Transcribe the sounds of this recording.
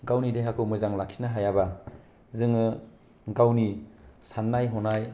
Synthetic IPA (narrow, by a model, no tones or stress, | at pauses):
ɡawnideɦakʰɯwmɯzaŋlakʰinaɦajaba | zɯŋɯ | ɡawnisanːajɦɔnaj